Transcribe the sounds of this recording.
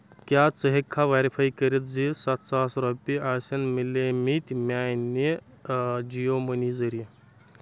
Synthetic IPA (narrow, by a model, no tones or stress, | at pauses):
kʲjat͡səɦekʰːaʋaɾipʰaikəɾit̪̚d͡zisat̪sasɾɔpiʔasʲɐnmilemit̪ʲmʲajni | d͡ʑijomənizəɾi